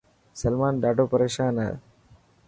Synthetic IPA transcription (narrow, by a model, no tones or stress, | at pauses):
sɐlmaːnɖ̪aːɖoːpɐɾeːʃaːnɐ̰